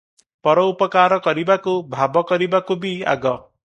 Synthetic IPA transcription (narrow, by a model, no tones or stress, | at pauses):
pɔɾɔupɔkaɾɔkɔɾibakubʱabɔkɔɾibakubia̰ɡɔ